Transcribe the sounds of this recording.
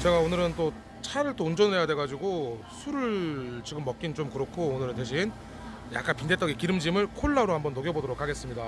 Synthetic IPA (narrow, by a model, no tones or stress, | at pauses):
t͡ɕe̞ɡaonɯɾɯnt͈o | t͡ɕʰaɾɯɭt͈ound͡ʑʌnɯɭɦe̞jadwe̞ɡad͡ʑiɡo | sʰuɾɯɭt͡ɕiɡɯmːʌk͈int͡ɕomkɯɾʌkʰoːnɯɾɯnteɕʰin | ja̰k͈anpinde̞t͈ʌɡikiɾɯmd͡ʑimɯɭkʰoɭːaɾohambʌnːoɡjʌbodoɾokʰaɡe̞s͈ɯmɲida